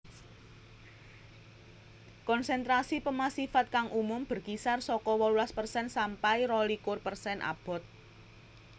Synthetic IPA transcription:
kɔnsɛnt̪ɾasipəmasifat̪̚kaŋʔumʊmb̥ə̤rkisarsɔkɔwɔlulaspərsɛnsampairɔlikʊrpərsɛnʔa̰b̥ɔ̤t̪̚

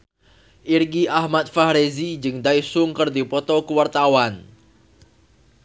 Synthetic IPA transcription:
ʔirɡiʔahmat̪̚fahɾezid͡ʒɨŋd̪aisʊŋkərd̪ipɔt̪ɔkəwart̪awan

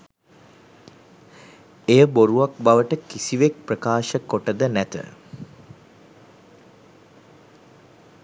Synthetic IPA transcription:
ejəboɾuʋakbaʋəʈəkisiʋek̚prəkaːʃəkːoʈəd̪ənæt̪ə̰

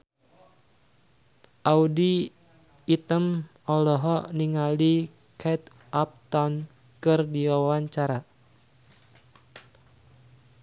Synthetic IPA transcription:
ʔaudiː | t̪əm | ɔlɔɦɔniŋali | kʰɛt̪ | ap̚t̪ɔn | kɨrdiwawaɲt͡ʃaɾa

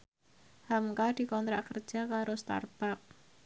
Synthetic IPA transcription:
hamkad̥i̤kɔnt̪ɾaʔkərd̥ʒ̥a̤kaɾost̪a̰rb̥ap̚

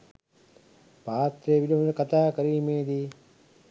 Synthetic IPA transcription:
paːt̪ɾeːʋilɐmlɐkɐt̪aːkɐɾiːmeːd̪i

